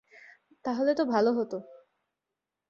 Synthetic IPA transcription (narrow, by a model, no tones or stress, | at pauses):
t̪aɦolet̪obʱaloɦot̪o